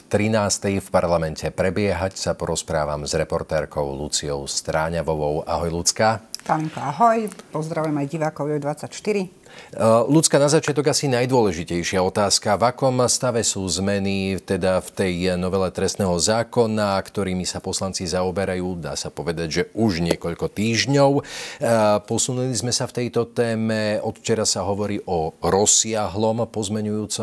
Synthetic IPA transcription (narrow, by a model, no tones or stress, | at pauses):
t̪ɾinaːst̪ɛjfpaɾlamɛncɛpɾɛbɪɛɦacsapɔɾɔspɾa̰ːʋa̰mzɾɛpɔɾt̪ɛːɾkɔʊlut͡siɔʊst̪ɾaːɲaʋɔʋɔʊa̰ɦɔjlut͡skat̪amiŋkɔaɦɔjpɔzd̪ɾaʋujɛmajɟiʋaːkɔʊjɛd̪ʋat͡sːacʃt̪iɾi | lut͡skanazat͡ʃɪat̪̬ɔɡasinajd̪ʊɔlɛʒicɛjʃɪaɔt̪aːskavakɔmst̪aʋɛsuːzmɛnit̪ɛd̪aft̪ɛjnɔʋɛlɛt̪ɾɛst̪nɛːɦɔzaːkɔnakt̪ɔɾiːmisapɔslant͡sizaɔbɛɾajuːd̪a̰ːsapɔʋɛd̪aɟʒɛʔuʒɲɪɛkɔʎkɔt̪iːʒɲɔʊ | pɔsunulizmɛsaft̪ɛjt̪ɔt̪ɛːmɛɔt̪ft͡ʃɛɾasaɦɔʋɔɾiːʔɔɾɔsɪaɦlɔmpɔzmɛɲujuːt͡sɔ